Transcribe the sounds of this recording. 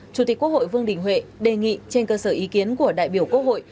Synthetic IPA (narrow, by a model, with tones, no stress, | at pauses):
t͡ɕu˧˩t̪i̟˨˩kːk̚ho̰˧˨jvɨ˧əŋɗï˧˩ŋ̟hwḛ˧˨ɗe˨˩ŋḭ˧˨t͡ɕe˧nkəː˧səː˧˩ʔi˨˦ki˨˦ənku˧˩əɗa̰ː˧˨jɓi˧˩əwkwu˧˥ək̚ho̰˧˨j